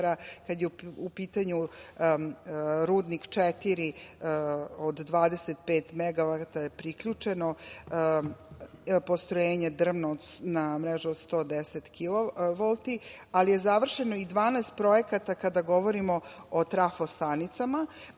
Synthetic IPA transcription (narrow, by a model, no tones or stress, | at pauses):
ɾakad̪jeupiːt̪aɲu | ɾuːd̪nikt͡ʃɛt̪iɾi | od̪ːʋaːd̪e̞set̪̚peːt̪meɡaʋat̪ajepɾikʎut͡ʂeno | po̞st̪ɾojeːɲe̞d̪r̩ʋnood̪namɾeʒuod̪st̪o̞ːd̪eset̪kiloʋolˠt̪ialije̞zaʋr̩ʃe̞noid̪ʋaːneːst̪̚pɾo̞jekat̪akad̪aɡo̞ʋo̞ɾimo̞ot̪ɾafost̪anit̪sama